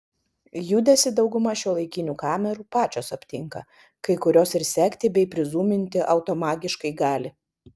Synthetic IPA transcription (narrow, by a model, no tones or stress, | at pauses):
juːd̪ʲɛsʲɪd̪ɒʊɡʊmɐʃʲuɔlˠɐɪkʲɪnʲuːkɑːmʲɛɾuːpɑːt͡ʃʲoːsɐpʲt̪ʲɪŋkɐ̰ | kɐɪkʊɾʲoːsɪɾsʲɛkʲt̪ʲɪbʲɛɪpʲɾʲɪzuːmʲɪnʲt̪ʲɪʔɐʊt̪oːmɑːɡʲɪʃkɐɪɡɑːlʲɪ